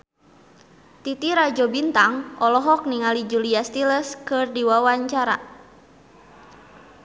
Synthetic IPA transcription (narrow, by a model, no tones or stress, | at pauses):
t̪it̪iɾad͡ʒɔbint̪aŋʔɔlɔɦɔk̚niŋalid͡ʒuliast̪iləskɨrdiwawaɲt͡ʃaɾa̰